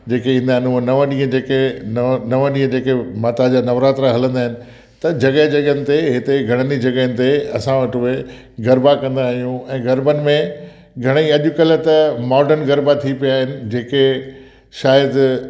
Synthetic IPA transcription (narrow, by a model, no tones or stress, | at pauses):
d͡ʑeːkeĩːnd̪aːɦɪnũnɐʋə̃ɗĩːɦə̃d͡ʑeːkenɐʋə̃ɗĩːɦə̃d͡ʑeːkemaːt̪ad͡ʑaːnɐʋɾaːt̪ɾaɦɐlə̃nd̪aːɦɪnɪ̆ | t̪ɐd͡ʑɐɠəɦd͡ʑɐɠənɪ̆t̪eɦɪt̪eɡʱɐɽ̃ənid͡ʑɐɡəɦənɪ̆t̪eɐsãʋɐʈʊe | ɡɐɾbakɐ̃nd̪aːɦijũɛ̃ːɡɐɾbənɪ̆mẽ | ɡʱɐɽ̃iɐʄʊkɐlət̪ɐmɔːɾɖənɡɐɾbat̪ʰipijaːɦɪnɪ̆d͡ʑeːke | ʃaːjəd̪